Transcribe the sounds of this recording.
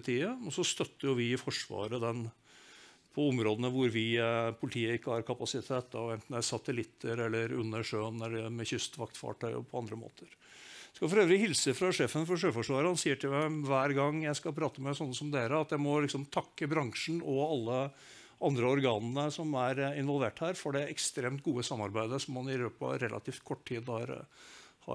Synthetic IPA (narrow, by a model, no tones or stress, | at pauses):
t̪ʰiːəɔsɔst̪œt̪ːəɾjʊʋɪɪfɔʂʋɑ̰ːɾəd̪ɛn | pʰɔɔmɾoːd̪ənəʋʊɾʋɪpʰʊlɪt̪ʰiːəɪkːəhɑɾkʰɑpɑsɪt̪ʰeːt̪ːɑɛnt̪n̩d̪æɾsɑt̪əlɪt̪ʰːəɾɛlːəɾʉ̰nːəʂøːnɛlːəmɛçʏst̪ʋɑkt̪fɑ̰ːʈʰœʏ̰pʰɔɑnd̪ɾəmo̰ːt̪ʰəɾskɑɪfɔɾøːʋɾɪhɪlsəfɾɑʂeːfənfɔʂøːfɔʂʋɑːɾəhɑnsiːəʈʰɪlmæɪʋæːɾɡɑŋjæɪskɑpʰɾɑːt̪əmɛsɔnːəsɔmd̪eːɾəɑt̪jæɪmɔlɪksɔmt̪ʰɑkːəbɾɑŋʂn̩ɔɑlːə | ʔɑnd̪ɾəɔɾɡɑːnnəsɔmæɾɪnʋɔlʋeːʈhæːɾfɔɖɛɛkst̪ɾeːmt̪̚ɡuːəsɑmːɑɾbæɪd̪əsɔmːɑnɪløːpɑ̰ɾɛlʔɑ̰t̪ʰiːft̪kʰɔʈʈʰiːd̪hɑɾ | hɑ̰